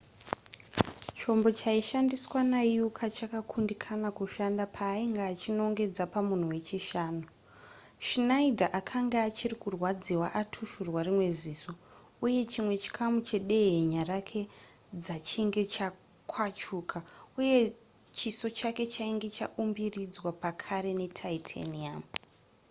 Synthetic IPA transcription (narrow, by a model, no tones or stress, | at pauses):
t͡ʃo̞mbo̞t͡ʃaiʃandiswanaijukʰat͡ʃakakʰundikʰanakuʃandapʰaːiŋɡaːt͡ʃino̞ŋɡe̞d͡zapamun̤uwe̞t͡ʃiʃaːnu | ʃinaidʱaʔakʰaŋɡaːt͡ʃirikurwad͡ziwaʔatʰuʃurwarimwe̞ziso̞ | uje̞t͡ʃimwe̞t͡ʃi̥kʰamut͡ʃe̞ɗe̞ɦeɲarakʰe̞ | d͡zat͡ʃiŋɡe̞t͡ʃa | kʰwat͡ʃukʰauje̞ | t͡ʃiso̞t͡ʃake̞t͡ʃaiŋɡe̞t͡ʃa̰ʔumbirid͡zwapakʰaɾe̞ne̞tʰaitʰa̰niam